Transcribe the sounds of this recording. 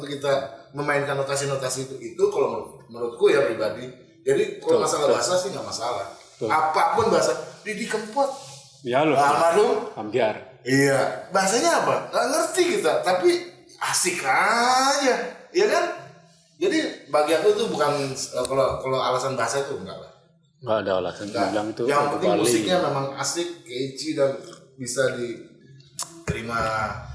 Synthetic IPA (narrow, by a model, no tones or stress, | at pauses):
t̪ukit̪aməmaɪnkanːot̪as̬inot̪asiːt̪uit̪ukalomət̪̚məɾʊt̪̚kujapɾibadi | d͡ʒadikalomasalabaɦasasɪhŋɡaʔmasalah | apapʊnbaɦasadidikəmpɔt̪̚ | jaloamalʊambiar | ijabaɦasaɲaːpaŋaʔŋərt̪ikit̪at̪api | asɪkrajajaɡan | d͡ʒadibaɡiadut̪ubukanəkalokaloa̰lasanbaɦasait̪ʊŋɡa̰ʔla̰h | ŋɡadaa̰la̰sanŋɡaalaŋt̪ujaŋpət̪ɪŋmusɪk̚ɲamemaŋa̰sɪk̚ːed͡ʒidanbisadi | t̪əɾima